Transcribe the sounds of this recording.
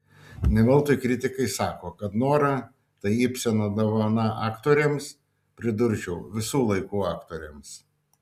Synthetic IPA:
nʲɛʋʲɛlˠt̪oɔjkɾʲɪt̪ʲɪkɐɪsɑːkoːkɐt̪noːɾɑ | t̪ɐɪɪpʲsʲɛnoːd̪ɐʋonɑʔɑːkt̪oːɾʲeːms | pʲɾʲɪd̪ʊɾʲʒʲɛʊʋʲɪsuːlˠɐɪkuːɑːkt̪oːɾʲeːms

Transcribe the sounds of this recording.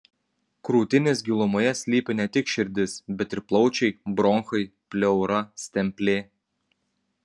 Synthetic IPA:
kɾuːt̪ʲɪnʲɪsɡʲilˠɔmoːjɛsʲlʲiːpʲɪnʲɛt̪ʲɪkʃʲɪɾʲd̪ʲɪsbʲɛt̪ʲɪɾplˠɒʊt͡ʃʲɛɪbɾɔŋxɐɪpʲlʲɛʊɾɐsʲt̪ʲɛmʲpʲlʲeː

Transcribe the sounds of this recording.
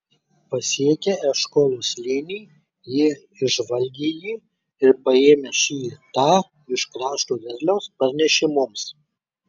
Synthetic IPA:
pɐsʲiɛkʲeɛʃkoːlʲˠoːslʲinʲiː | jiː | ɪʒʋɐlʲɡʲiːjiː | ɪɾpɐeːmʲeːʃiːt̪ɑː | ɪʃkɾɑːʃt̪uːʋʲɛɾʲlʲɛʊspɐɾʲnʲɛʃʲɪmʊms

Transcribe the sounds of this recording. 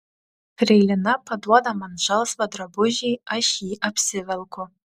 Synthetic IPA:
pʰrejlʲanapʰadwadamanʒʷalswadrabʊʒijaʃiʔapʰsɨvalkʷʰʊ

